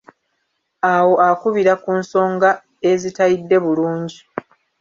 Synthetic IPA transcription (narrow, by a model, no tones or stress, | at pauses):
awo̞ʔakuβiɾakunso̞ːŋɡa | e̞zitaidːe̞βuluːɲɟi